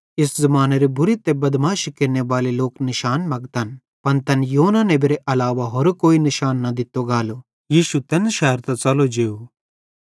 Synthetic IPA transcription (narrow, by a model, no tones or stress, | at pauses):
ɪszɐmaːneɾibʊɾit̪ebɐd̪maːʃikɪɾneʋaːleloːknɪʃaːnmɐɡt̪ɐn | pɐnt̪ɐnjoːnanebiɾeʔɐlaːʋaɦɔɾukoːinɪʃaːnːɐd̪ɪt̪ːoɡaːlo | jiːʃut̪ɐnʃɛːɾt̪ɐt͡sɐlod͡ʒeːu